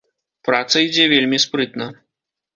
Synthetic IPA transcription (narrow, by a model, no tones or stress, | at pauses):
pɾat̪sɐid͡zʲɛvʲelʲmʲispɾɨt̪nɐ